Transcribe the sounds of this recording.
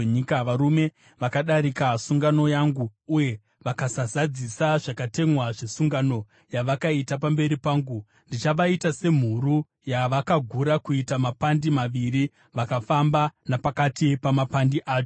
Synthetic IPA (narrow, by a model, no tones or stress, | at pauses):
ɲikaʋaɾume̞ | ʋakaɗaɾikasuŋɡano̞jaŋɡuːje̞ | ʋakasazad͡zisaʐakate̞mwaʐesuŋɡano̞ | jaʋakaitapambe̞ɾipaːŋɡu | ndit͡ʃaʋaitase̞m̤uɾu | jaʋakaɡʱuɾakuitamapandimaʋiri | ʋakafambanapakatipamapandiʔaːt͡ʃo